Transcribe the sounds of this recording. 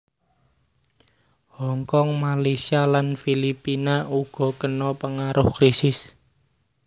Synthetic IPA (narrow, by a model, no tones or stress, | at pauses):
hɔŋkɔŋmalesialanfilipinaʔuɡ̥ɔ̤kənɔpəŋaɾʔʊhkɾisɪs